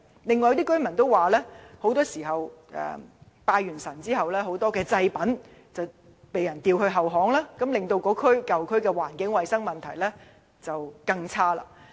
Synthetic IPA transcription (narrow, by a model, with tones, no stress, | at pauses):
lɪ˨ŋːɔː˨jɐ˧wt̪iː˥kɵ˥ɥmɐ˨˩nt̪o˥waː˨lɛː˥ho˨˥wt̪ɔː˥siː˨˩ɦɐ˨wʔɛ̰ː˨˩ | paː˧jɥyː˨˩nsɐ˨˩nt͡siː˥hɐ˨wlɛː˥ɦo˨˥wt̪ɔː˥kɛː˧t͡sɐ˧jpɐ˨˥n | t͡sɐ˨w | pe˨jɐ˨˩nt̪iː˧whɵ˧ɥɦɐ˨wɦɔː˨˥ŋlaː˥kɐ˨˥mlɪ˨ŋt̪o˧wkɔː˨˧˥kʰɵ˥ɥkɐ˨wkʰɵ˥ɥkɛː˧waː˨˩nkɪ˨˥ŋwɐ˨jsɐ˥ŋmɐ˨˩nt̪ʰɐ˨˩jlɛː˥ | t͡sɐ˨wkɐ˧ŋt͡sʰaː˥la̰ː˧˩